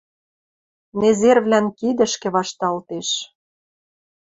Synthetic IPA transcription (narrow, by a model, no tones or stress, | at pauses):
nezerβlʲænkid̪ə̆ʃkĕβɑʃt̪ɑlt̪eʃ